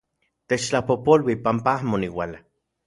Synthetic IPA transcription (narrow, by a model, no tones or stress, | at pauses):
t̪et͡ʃt͡ɬapopolwipampaahmoniwala